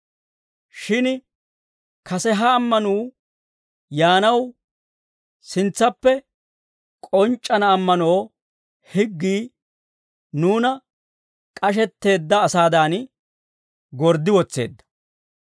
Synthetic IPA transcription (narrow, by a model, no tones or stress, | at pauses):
ʃɪn | kʰɐsɛɦɐːmːɐnuː | jaːnɐw | sɪnt͡sːɐpːɛ | kʼɔnt͡ʃʼːɐnɐːmːɐno̞ː | hɪɡːiː | nuːnɐ | kʼɐʃ̬ɛt̪ːe̞ːd̪ːɐːsaːd̪aːn | ɡɔɾd̪ːɪwɔt͡sːḛːd̪ːɐ̥